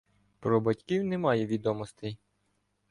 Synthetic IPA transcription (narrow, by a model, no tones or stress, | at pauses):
pɾɔbɐtʲkʲiwnɛmɑjɛʋʲid̪ɔmɔst̪ɪ